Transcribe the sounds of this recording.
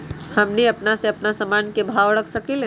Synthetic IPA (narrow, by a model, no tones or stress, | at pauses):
həmniəpnaseɐpnasəmankebʱawɾəkʰsəkile